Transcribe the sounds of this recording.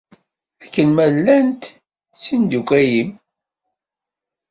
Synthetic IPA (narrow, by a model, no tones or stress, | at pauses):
ækːənmælːænt̪ | sind̪ukʷːæjim